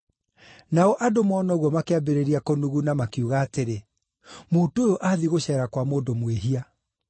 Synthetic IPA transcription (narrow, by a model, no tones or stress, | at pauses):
naɔʔadomɔnɔɣwɔmakeabeɾeɾiakonuɣunamakiuɣaːteɾe | muːtojoʔaðiɣoɕɛːɾakwamoːdomweɦia